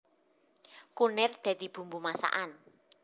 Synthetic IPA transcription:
kunɛrd̪̥a̤d̪̥i̤b̥ṳmbumasa̰ʔan

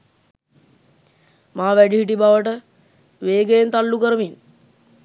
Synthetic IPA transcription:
maːʋæɖiɦiʈ̬ibaʋəʈə | ʋeːɡejent̪alːukəɾəmin

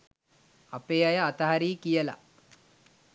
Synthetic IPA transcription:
apeːajəat̪aɦaɾiːkijəla̰

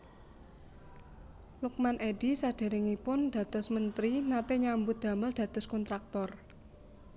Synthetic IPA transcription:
lʊk̚manʔeɖ̥isaɖ̥e̤ɾɪŋipʊnɖ̥ä̤t̪ʊsmənt̪ɾinat̪eɲambud̪̥ä̤məld̥ä̤t̪ʊskɔnt̪ɾak̚t̪ɔr

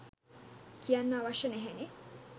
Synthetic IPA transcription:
kijanːaːʋaʃənɛɦæne

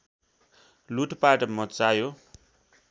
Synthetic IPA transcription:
luʈpaʈʌmʌt͡sajo

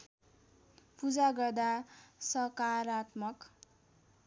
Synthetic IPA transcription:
pud͡zaɡʌrd̪asʌkaɾat̪mʌk

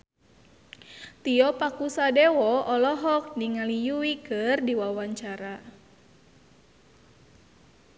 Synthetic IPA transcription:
t̪iɔpakusadɛwɔɔlɔɦɔk̚niŋalijuwikɨrdiwawaɲt͡ʃaɾa

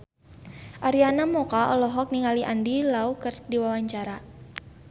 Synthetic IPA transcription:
ʔaɾianamɔkaʔɔlɔɦɔk̚niŋaliʔa̰ndilaukərdiwawaɲt͡ʃaɾa

